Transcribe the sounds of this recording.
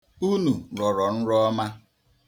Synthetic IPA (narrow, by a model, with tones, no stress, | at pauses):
u˦nu˨ɾɔ˨ɾɔ˨n̩˦ɾɔ˦ma˦